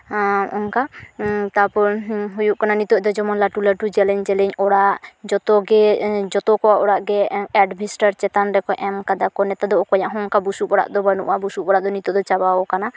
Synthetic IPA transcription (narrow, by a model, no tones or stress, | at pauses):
ɔŋkat̪aɾpɔɾɦujuʔkananit̪ɔʔd̪ɔd͡ʒɔmɔnlaʈulaʈud͡ʒɛlɛɲd͡ʒɛlɛɲɔɽaʔd͡ʒɔt̪ɔɡɛd͡ʒɔt̪ɔkɔwaʔɔɽaʔɡɛɛɖbʱisʈaɾt͡ʃɛt̪anɾɛkɔʔɛmkad̪akɔnɛt̪ad̪ɔɔkɔɲaʔɦɔŋkabusubɔɽa̰ʔd̪ɔbənṵʔabusubɔɽaʔd̪ɔnit̪ɔʔd̪ɔt͡ʃabawɔkana